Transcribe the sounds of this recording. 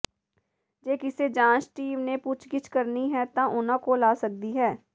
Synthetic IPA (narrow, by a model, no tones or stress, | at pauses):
d͡ʒeːkɪseːd͡ʒãːt͡ʃʈiːʋneːpʊt͡ʃʰɡɪt͡ʃkəɾniɦɛːt̪ãːʔʊnãːkoːlaːsək̚d̪iːɦɛː